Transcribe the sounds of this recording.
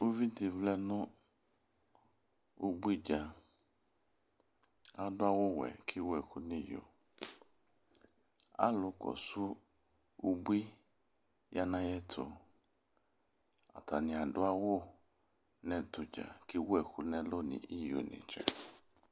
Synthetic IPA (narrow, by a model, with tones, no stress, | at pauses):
o˦vi˦dɪ˨vlɛ˦nʊ̃˦ | u˦bwi˦d͡ʒa˨ | a˨dʊ˦a˦wʊ˦wɛ̰˨kʰɪ˦wɛ˨kʊ˦nĩ˦jo̰˨ | a̰˦lʊ˨kɔ̰˨sʊ˦ | u˦bi˦ | ja˦nã˦jɛ˦tʰʊ̰˨ | a̰˨ta˨nɪ̃˨a˨dʊ˦a˦wʊ˦ | nɛ̃˨tʊ˨d͡ʒa̰˨kɪ˦wɛ˦˨kʊ˨nɛ̃˦lo˦nɪ̰̃˨i˦jo̰˨nḭ̃˨t͡ʃɛ̰˨